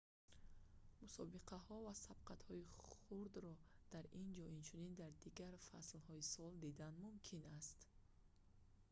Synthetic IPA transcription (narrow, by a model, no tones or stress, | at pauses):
musɔbiqʰaɦɔvasabqʰat̪hɔiχuɾd̪ɾɔd̪̥aɾind͡ʒɔint͡ʃʰunind̪aɾd̪iɡaɾfa̰slhɔisɔld̪id̪anmumkʰinast̪